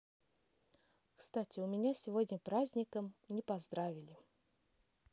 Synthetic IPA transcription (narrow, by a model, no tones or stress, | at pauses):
kst̪atʲɪʊmʲɪnʲasʲɪvodʲnʲəpɾazʲnʲɪkəmnʲɪpɐzd̪ɾavʲɪlʲɪ